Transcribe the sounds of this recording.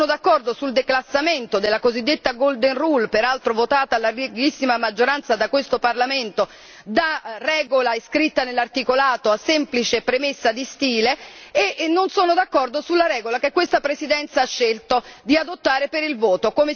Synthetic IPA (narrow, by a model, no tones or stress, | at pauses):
nod̪akːɔrd̪osuld̪eklasːament̪od̪elːakozid̪ːet̪ːaɡold̪enrulpeɾalt̪ɾovot̪aːt̪alːariɡisːimamad͡ʒːoɾant̪sad̪akwest̪oparlament̪o | d̪arɛːɡolaeskɾit̪ːanelːart̪ikolaːt̪oasːɛmplit͡ʃepɾemesːad̪ist̪iːleːʔnːonsoːnod̪akːɔrd̪osulːaɾɛːɡolak̟ekːwest̪apɾesid̪ɛnt̪saaʃːelt̪od̪iad̪ot̪ːaːɾepeɾilvɔːt̪okome